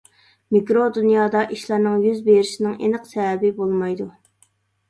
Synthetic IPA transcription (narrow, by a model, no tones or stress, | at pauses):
mikɾod̪ynjɑːd̪ɑʔiʃlˠɑɾnɨŋjyzbeɾɪʃɪnɪŋḛnəqsɛɛbɪbolˠmɑjd̪u